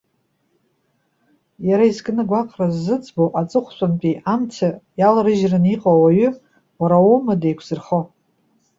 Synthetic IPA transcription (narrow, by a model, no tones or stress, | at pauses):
jaɾaizɡʼnɨɡʷaqʼrazːɨt͡sʼboʔat͡sʼɨχʷsʷʼanpʼiʔamt͡sʰajalrɨʒrɨniqʼowaɥʏ | waɾaumɨdejkʷʰz̥ɨrχo